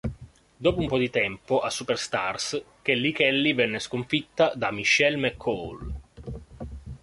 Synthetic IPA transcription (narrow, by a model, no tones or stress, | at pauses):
d̪ɔːpoumpɔd̪it̪ɛmpoʔasːuperst̪ars | k̟elːikɛlːivɛnːeskoɱfit̪ːad̪amiʃːɛlmɛkʰːɔl